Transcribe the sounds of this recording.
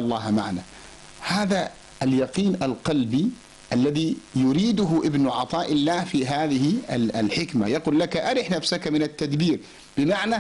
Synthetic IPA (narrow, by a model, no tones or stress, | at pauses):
ɑlˤːɑːhma̰ʕna | haːða | aljɑqiːnalqɑlbi | ʔalːaðijʊɾiːd̪ʊɦʊʔɪbnʊʕɑt̪ˤɑːʔɪlːaːhfiːɦaːðɪhɪaalħɪkmajɑquːlːakaʔaɾɪħnafsakamɪnat̪ːad̪biːɾ | b̥ɪmaʕna